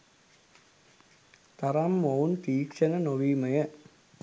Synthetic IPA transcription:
t̪ɐɾamːownt̪iːkʂɐnɐnoʋiːmɐjɐ

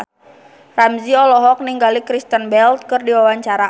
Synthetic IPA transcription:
ramziɔlɔɦɔk̚niŋɡalikɾist̪ənbɛlt̪̚kɨrdiwawaɲt͡ʃaɾa

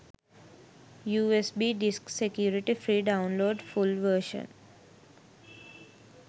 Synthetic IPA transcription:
juːesbiːɖɪsksekjuːɾɪʈifɾiːɖãʊ̃nloːɖfʊlʋəɾʃə̰̃n

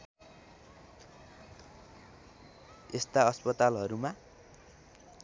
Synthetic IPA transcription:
est̪aʌspʌt̪alɦʌɾuma

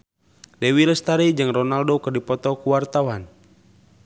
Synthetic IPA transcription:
lɛwiləst̪aɾid͡ʒɨŋrɔnaldokərdipɔt̪ɔkuwart̪awan

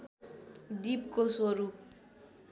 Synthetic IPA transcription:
d̪ipkosoɾup̚

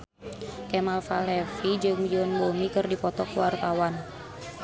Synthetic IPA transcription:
kɛmalfalɛfid͡ʒɨŋd͡ʒɔnbɔmikɨrdipɔt̪ɔkəwart̪awan

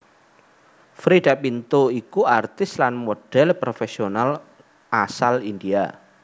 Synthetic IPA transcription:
fɾiɖ̥apint̪oikuart̪ɪslanmoɖ̥ɛlpɾofesional | ʔasalind̪ia

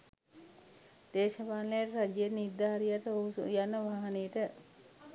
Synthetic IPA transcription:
d̪̥eːʃɐpaːnleaʈəɾad͡ʒenid̪ːaːɾijaʈəousṵjanəʋaːɦɐnejəʈə

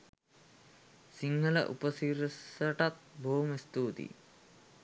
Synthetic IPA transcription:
siŋhələ̰ʔṵpəsiɾsəʈat̪̚bʱoːmist̪uːt̪ḭ

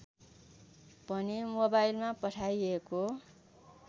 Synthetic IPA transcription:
pʌnimobajlmapʌʈʰajeko

